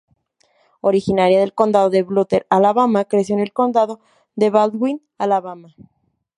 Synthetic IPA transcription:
o̞ɾixinaɾjaðe̞lko̞nd̪aðoðe̞βlut̪eɾalaβamakɾes̬jone̞lko̞nd̪aðo̞ | ðe̞βald̪ɡwin | alaβama

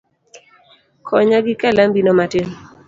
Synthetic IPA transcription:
kʰɔɲaɡɪkalambinomatɪn

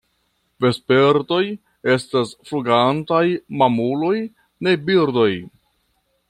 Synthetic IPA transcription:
ve̞spe̞ɾto̞j | e̞stasfluɡantajmamulo̞j | ne̞biɾdo̞j

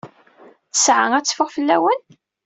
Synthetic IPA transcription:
θə̥sʕaŋæt͡sːfəʁfəlːæ̰wən

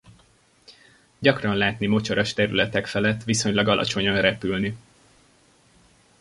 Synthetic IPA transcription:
ɟɒkrɒnlaːt̪nimo̞t͡ʃɒɾɒʃt̪ɛɾylɛt̪ɛkfɛlɛt̪ːʋiso̞ɲlɒɡɒlʔɒ̰t͡ʃo̞ɲɒnrɛpylni

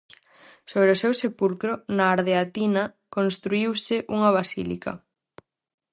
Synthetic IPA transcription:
soβ̞ɾeosewsepulkɾonaːɾðeat̪inɐ | konst̪ɾuiwsɪʔuŋɐβ̞asḭlḭkɐ̰

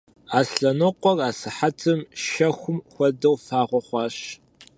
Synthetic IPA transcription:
aːsɬɐnɔqʷɔraːsɨħatʰɨmʃɐxʷʊmxʷɔdɐwfaːʁʷɔχʷɑːɕ

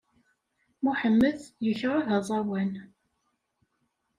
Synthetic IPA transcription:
muħəmːəðjəçʁaðɑzˤɑwæn

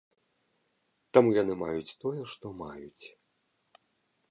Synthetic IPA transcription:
t̪amujan̪ɨmajut͡sʲt̪ɔjɛʂt̪ɔmajut͡sʲ

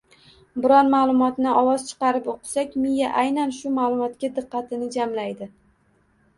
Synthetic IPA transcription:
bɪɾɒnmaːlˠʊmɒt̪nɪʔɒwɒzt͡ʃʰɨ̥qɑɾɪpoqʰɨ̥sakʲmijaʔajnanʃʊmalˠʊmɒt̪kʲad̪ɨqːɑt̪ʰɪnɪd͡ʒamlajd̪ɪ

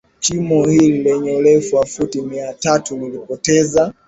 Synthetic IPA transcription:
t͡ʃimɔhililɛɲɛulɛfuafutimiatatulilipɔtɛza

